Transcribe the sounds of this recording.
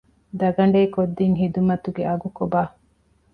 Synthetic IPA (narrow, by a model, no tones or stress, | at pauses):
d̪ɐɡɐɳ̆ɖeikod̪ːiŋɦid̪umɐt̪uɡeʔɐɡukobaː